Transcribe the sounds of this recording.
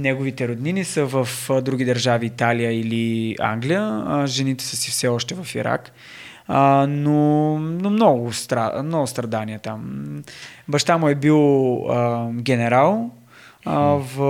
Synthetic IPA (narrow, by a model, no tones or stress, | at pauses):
nɛɡovit̪ɛɾod̪ninisəvəfd̪ɾuɡʲid̪əɾʒaviːt̪alijəilia̰ŋɡlijəʒɛnit̪ɛ̥səsifsɛɔʃt̪ɛvɐfḭɾa̰k | nonomnɔɡʊst̪ɾamnɔɡʊst̪ɾɐd̪aniɛt̪am | bɐʃt̪amʊɛbilˠəɡʲɛnɛɾalˠ | və